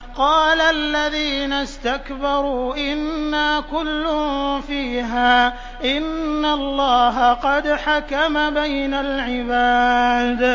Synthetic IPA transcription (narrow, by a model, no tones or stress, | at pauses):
qɑːlaʔalːaðiːnast̪akbɑɾˤuːʔɪnːaːkʊlːʊfiːɦaː | ʔɪnːalˤːɑːɦaqɑd̪ħakamabajnalʕɪbaːd̪